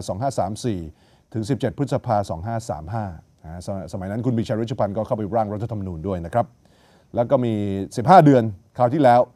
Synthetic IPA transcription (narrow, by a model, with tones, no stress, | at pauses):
sɔː˩˦ŋɦaː˥˩saː˩˦msiː˨˩ | t̪ʰɯ˩˦ŋs̬i˨˩p̚t͡ɕe˨˩pʰɯ˦˥t̪̚sa˧pʰaː˧sɔ̰ː˩˦ŋɦaː˥˩sa̰ː˩˦mɦaː˥˩˦ | ssa˧ma˨˦jna˦˥nkʰu˧nbiː˨˧˩t͡ɕʰaː˧ɾ̚t͡ɕʰːpʰa˧nkɔː˥˩kʰa˥˩wpa˧jɾaː˥˩ŋɾa˦˥t̪ʰːa˧t̪ʰa˧ma˧nuː˧ndu˥˩əjna˦˥kʰɾa˦˥p̚ | lɛː˦˥wkɔː˥˩miː˧si˨˩p̚haː˥˩dɯ˧ənkʰaː˨˩wt̪ʰiː˥˩lɛː˦˥w